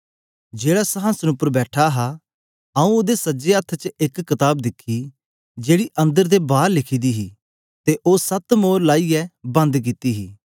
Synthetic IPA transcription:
d͡ʒeːɽasɐɦãːsənʊpəɾbɛːʈʰaɦa | ɐũoːd̪esɐd͡ʒeət̪ʰːt͡ʃəɪkːɪt̪aːb̚d̪ɪkʰːi | d͡ʒeːɽiʔɐ̃nd̪əɾd̪ebaːɾlɪkʰiːd̪iɦiː | t̪eʔoːsɐt̪moːɾlaːijɛbɐ̃nd̪k̬ɪt̪iɦiː

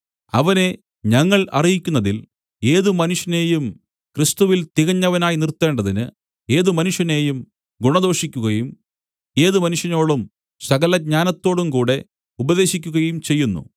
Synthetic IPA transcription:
ɐʋɐne̞ | ɲɐŋːɐɭɐ̰rijikʲːunːɐðil | e̞ːðɨmɐnuʂjɐne̞ːjum | krist̪uʋilt̪iɣɐɲːɐʋɐnaːjinirt̪ːe̞ːɳɖɐðinɨ | e̞ːðumɐnuʂjɐne̞ːjum | ɡuɳɐðo̞ːʂikʲːuɣɐjum | e̞ːðɨmɐnuʂjɐno̞ːɭum | sɐɣɐlɐɡ̚ɲaːnɐt̪ːo̞ːɽumkuːɽe̞ | ubɐðe̞ːɕikʲːuɣɐjumt͡ɕe̞jːunːṵ

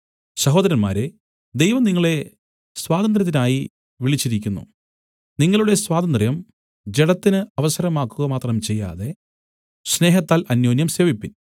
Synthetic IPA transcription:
sɐɦo̞ːd̪ɐɾɐnma̰ːɾe | d̪ejʋɐmniŋːɐɭe̞ | swaːd̪ɐnd̪rɐt̪̬ːinaːji | ʋiɭit͡ɕːiɾikʲːunːṵ | niŋːɐɭuɽe̞swaːd̪ɐnd̪rɐjɐm | d͡ʑeɽɐt̪ːinɨɐʋɐsɐɾɐmaːkːuɣɐmaːt̪rɐmt͡ɕe̞jːa̰ːðe̞ | sne̞ːɦɐt̪ːaːlʔɐnjo̞ːnjɐmse̞ːʋipːin

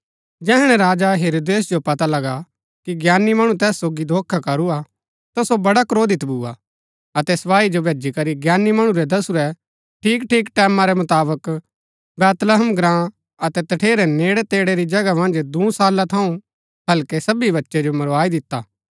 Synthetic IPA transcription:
d͡ʒɛːɦɽ̃ɛ̃ɾaːd͡ʒaɦeːɾoːd̪eːs̬d͡ʒopɐt̪alɐɡa | kiɡjaːnimɐɽ̃ũt̪ɛːsːoːɡid̪ʱoːkʰːakɐɾua | t̪ɐsobɐɽakɾoːd̪ɪt̪buːa̰ | ɐt̪ɛsɐpaːid͡ʒobeːd͡ʒikɐɾiɡjaːnːimɐɽ̃ũɾɛd̪ɐsuɾɛ | ʈʰiːkʈʰiːkʈɛːmãɾɛmɐt̪aːbək | bɛːt̪ləɦəmɡɾãː | ɐt̪ɛt̪ɐʈʰeːɾɛneːɽɛt̪eːɽeɾid͡ʒɐɡamɐ̃nd͡ʒd̪ũsaːlat̪ʰɐũ | ɦɐlkɛsɐbibɐtːʃed͡ʒomɐɾʋaːid̪ɪt̪ːa̰ː

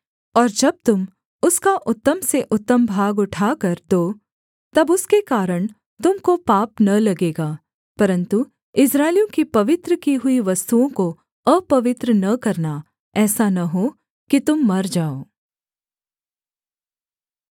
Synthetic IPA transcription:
ɔːɾd͡ʒɐb̚t̪ʊm | ʊskaʔʊt̪ːəmseʔʊt̪ːəmbʱaːɡʊʈʰaːkɐɾd̪oː | t̪ɐbʊskekaːɾəɽ̃ | t̪ʊmkopaːpnɐlɐɡeːɡaː | pɐɾə̃nt̪u | ɪsɾaːɪlijõkipɐʋɪt̪ɾəkiɦʊiʋɐst̪uõko | əpɐʋɪt̪ɾənɐkɐɾna | ɛːsanɐɦoː | kit̪ʊmːɐɾd͡ʒaːoː

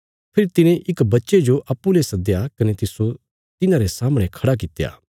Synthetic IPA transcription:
pʰɪɾit̪ɪnẽʔɪkbɐtːʃed͡ʒoʔɐpːulesɐd̪jakɐnet̪ɪso | t̪ɪnãɾesaːməɽ̃ẽkʰɐɽak̬ɪt̪ːeja̰ː

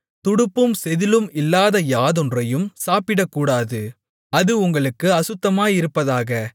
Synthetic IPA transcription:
t̪ʊɽɯpːɯmsɛðɪlɯmɪlːaːðɐjaːðɔndrɐjɯmsaːpɪɽɐkːuːɽaːðɯ | ɐðɯʊŋɡɐɭɯkːɯɐsɯt̪ːɐmaːjɪɾɯpːɐðaːɣɐ

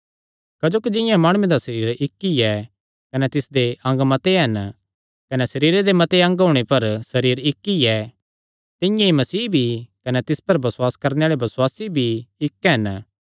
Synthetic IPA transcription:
kɐd͡ʒoːkid͡ʒɪ̃jãmaːɽ̃ʊẽd̪asɐɾiːɾɪkːijɛ | kɐnɛt̪ɪsd̪eʔɐ̃ŋɡmɐt̪eɦɐn | kɐnɛsɐɾiːɾed̪emɐt̪eɐ̃ŋɡɦoːɽ̃epɐɾsɐɾiːɾɪkːiɛ | t̪ɪ̃jãimɐsiːbʱikɐnɛt̪ɪspɐɾbɐswaːskɐɾneaːɭebɐswaːsibʱiɪkːɦɐn

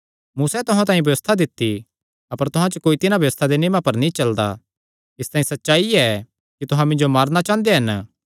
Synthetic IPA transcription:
muːsɛt̪ʊɦãt̪aːĩbʱjɐʋəst̪ʰad̪ɪt̪ːi | ɐpəɾt̪ʊɦãt͡ʃokoːit̪ɪnãbʱjɐʋəst̪ʰad̪eneːmapɐɾnĩt͡ʃɐld̪a̰ | ɪst̪ãːĩsɐtːʃaːiɛ | kit̪ʊɦãmɪ̃nd͡ʒomaːɾnat͡ʃãːnd̪eɦɐn

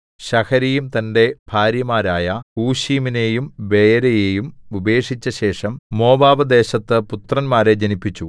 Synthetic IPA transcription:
ɕɐkʰɐɾejumt̪ɐnde̞b̥ʱaːɾjɐmaːɾaːjɐuːɕiːmine̞ːjumʋe̞jɐɾɐjeːjumube̞ːʂit͡ɕːɐɕe̞ːʂɐmːo̞ːbaːbɐd̪e̞ːɕɐt̪ːɨput̪rɐnmaːɾe̞d͡ʑɐnipːit͡ɕːu

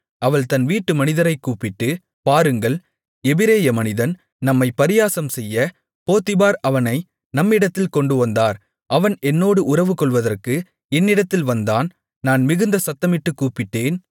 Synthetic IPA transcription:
ɐʋɐɭt̪ɐnʋiːʈːɯmɐnɪðɐɾɐɪkːuːpːɪʈːɯ | paːɾɯŋɡɐɭ | ɛbɪɾeːjɐmɐnɪðɐn | nɐmːɐɪpɐɾɪjaːsɐmsɛjːɐ | poːt̪ɪbaːɾɐʋɐnɐɪ | nɐmːɪɽɐt̪ːɪlkɔɳɖɯʋɐnd̪aːɾ | ʔɐʋɐnɛnːoːɽɯʔʊrɐʋɯkɔɭʋɐðɐrkɯ | ɛnːɪɽɐt̪ːɪlʋɐnd̪aːn | naːnmɪɣɯnd̪ɐsɐt̪ːɐmɪʈːɯkːuːpːɪʈːeːn

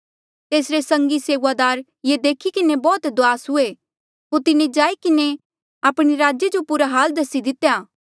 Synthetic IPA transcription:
t̪eːsɾesɐ̃ŋɡiseːʋad̪aːɾ | jed̪eːkʰikɪnebɔːt̪d̪ʊaːsɦʊe | ɦoːɾt̪ɪned͡ʒaːikɪne | aːpɽ̃iɾaːd͡ʒjed͡ʒopuɾaɦaːld̪ɐsid̪ɪt̪ejaː

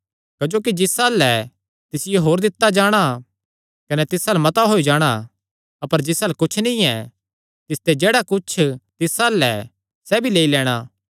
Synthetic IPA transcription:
kɐd͡ʒoːkid͡ʒɪsaːlɛ | t̪ɪsɪjeɦoːɾd̪ɪt̪ːad͡ʒaːɽ̃a | kɐnɛt̪ɪsalmɐt̪aɦoːid͡ʒaːɽ̃a | ɐpəɾd͡ʒɪsaːlkʊt͡ʃʰnĩɛ | t̪ɪst̪ed͡ʒeːɽakʊt͡ʃʰt̪ɪsaːlɛ̰ | sɛːbʱileːilɛːɽ̃aː

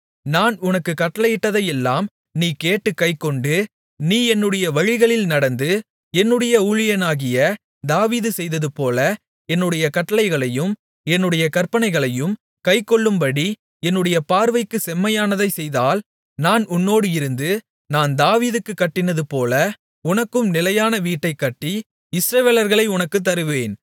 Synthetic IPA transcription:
naːnʊnɐkːɯkɐʈːɐlɐjɪʈːɐðɐjɛlːaːm | niːkeːʈːɯkːɐɪkːɔɳɖɯ | niːɛnːɯɽɐjɐʋɐɻɪɣɐɭɪlnɐɽɐnd̪ɯ | ɛnːɯɽɐjɐuɻɪjɐnaːɣɪjɐ | d̪aːʋiːðɯsɛjðɐðɯpoːlɐ | ɛnːɯɽɐjɐkɐʈːɐlɐɪɣɐɭɐjɯm | ɛnːɯɽɐjɐkɐɾpɐɳɐɪɣɐɭɐjɯm | kɐɪkːɔɭːɯmbɐɽi | ɛnːɯɽɐjɐpaːɾʋɐɪkːɯsɛmːɐjaːnɐðɐɪsɛjðaːl | naːnʊnːoːɽɯɪɾɯnd̪ɯ | naːnd̪aːʋiːðɯkːɯkːɐʈːɪnɐðɯpoːlɐ | ʊnɐkːɯmnɪlɐjaːnɐʋiːʈːɐɪkːɐʈːi | ɪsɾɐʋeːlɐɾɣɐɭɐɪʊnɐkːɯt̪ːɐɾɯʋeːn

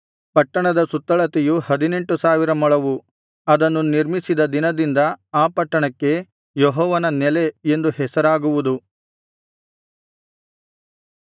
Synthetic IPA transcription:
pɐʈːɐɳɐd̪ɐsut̪ːɐɭɐt̪ɛjuhɐd̪ine̞ɳʈusaːʋiɾɐmɔɭɐʋu | ɐd̪ɐnːuniɾmisid̪ɐd̪inɐd̪ind̪ɐaːpɐʈːɐɳɐkːe̞ | jɔɦɔːʋɐnɐnɛle̞end̪uhɛsɐɾaːɡuʋud̪u

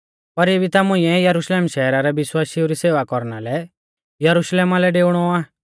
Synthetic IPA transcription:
pɐɾeːbit̪amʊ̃ɪ̃ɛjɐɾuʃleːmʃɛːɾaɾɛbɪswaːsiuɾiseːʋakɔɾna̰lɛ | jɐɾuʃleːmalɛɖeːʊɽ̃ɔaː

